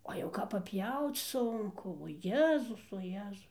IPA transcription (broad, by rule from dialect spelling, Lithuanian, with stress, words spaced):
ˈoː jɛʊ kɐp pɐˈpʲjɛʊt͡s ˈsʊŋkʊ oː ˈjæːzʊs oː ˈjæːzʊs